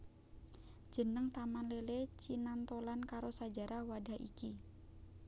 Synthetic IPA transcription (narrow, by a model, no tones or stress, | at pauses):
d͡ʒʒ̥ə̤nəŋt̪amanlelet͡ʃinant̪olankaɾosad͡ʒa̤ɾʔahwada̤hḭki